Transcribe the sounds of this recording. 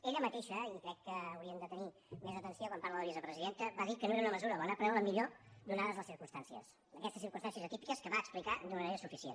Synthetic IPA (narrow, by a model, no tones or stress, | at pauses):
eʎəmət̪eʃəikɾɛkːəːwɾiəmnd̪ət̪əni | mezət̪ənsiokwampaɾləðəβizəpɾəziðent̪əβaðikənoeɾunəməzuɾələnapɾɛwləmiʎod̪unaðəzləsiɾkunst̪ansiə̰səkɛst̪əsiɾkumst̪ansiəzət̪ipikəskəβaəksplikad̪unəməneɾəsufisiḛn